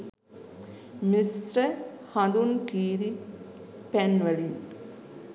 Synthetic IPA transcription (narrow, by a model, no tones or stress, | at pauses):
misɾɐ | hɐd̪unkiːɾi | penʋɐlin